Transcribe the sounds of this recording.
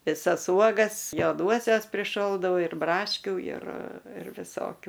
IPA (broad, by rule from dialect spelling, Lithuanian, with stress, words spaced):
ʋʲɪˈsɐs ˈuɔɡɐs joːˈduɔsʲɛs pʲrʲɪˈʃoːlˠdɐʊ ɪr brɐʃʲˈkʲʊ ɪr ɪr ʋʲɪˈsoːkʲʊ